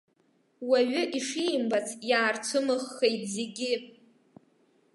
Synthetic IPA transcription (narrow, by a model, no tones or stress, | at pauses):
waɥʏʔiʂimbat͡sʰjaːrt͡sʷʰɨmɨχːejt̚ʰʼzeɡʲɪ